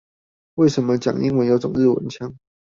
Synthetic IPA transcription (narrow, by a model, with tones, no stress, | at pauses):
we˥˩ɪʂə˨˦nmə˧t͡ɕja̰˨˩ŋḭ˧˥ŋwə˧˦njo˧˥ʊʈ͡ʂʊ˨˩ŋɻ̩˥˩wə̰˧˦nt͡ɕʰjɑ˥ŋ